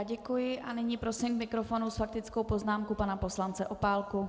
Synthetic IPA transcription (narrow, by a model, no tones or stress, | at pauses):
ɟɛkujɪʔanɪɲiːpɾo̞sɪmkmɪkɾo̞fo̞nusfak̚t̪ɪt͡sko̞wpo̞znaːmkupanapo̞slant͡sɛʔo̞paːlku